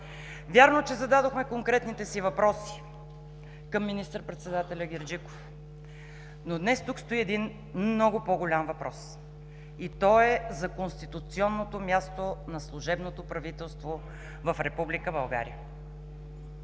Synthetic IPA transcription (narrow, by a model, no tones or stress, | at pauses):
vʲjaɾnot͡ʃɛzɐd̪ad̪oxmɛkoŋkɾɛt̪nit̪ɛsivɐpɾɔsi̥ | kəmːinist̪əɾpɾɛt̪sɛd̪at̪ɛlʲəɡʲɛɾd͡ʒiko̥f | nod̪nɛst̪ukst̪oiɛd̪in | nnɔɡʊpoɡʊlʲamvɐpɾɔs | it̪ɔɛzɐkonst̪it̪ut̪siɔnːot̪omʲjast̪onɐslˠʊʒɛbnot̪opɾɐvit̪ɛlˠst̪vo | vɐfɾɛpublikəbɐlˠɡa̰ɾḭjə